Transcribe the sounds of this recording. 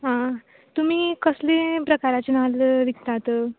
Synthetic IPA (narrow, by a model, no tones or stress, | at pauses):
ɦã | t̪um̤iːkəslepɾəkaɾat͡ɕenalʋ̪ik̚t̪at̪ə